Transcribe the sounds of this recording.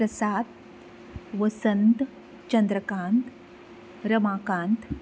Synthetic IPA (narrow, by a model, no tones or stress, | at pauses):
ɾɐsaːt̪ | ʋəsənt̪ | t͡ɕənd̪ɾəkãːnt̪ | ɾɐmaːkãːnt̪